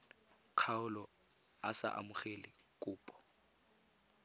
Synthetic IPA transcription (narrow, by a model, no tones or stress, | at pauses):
q͡χʰaʊlɔ | a̰sa̰ʔa̰mʊχelɪkʼʊːpʼɔ̥